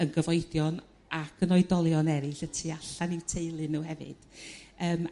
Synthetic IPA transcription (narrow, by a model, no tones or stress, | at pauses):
ənɡəvɔɨdjɔn | akʰənɔɨdɔlˠjɔnɛɾɨɬətʰiaɬanɪwtʰeɨlˠɨnuwhɛvɨ̰d̥əːm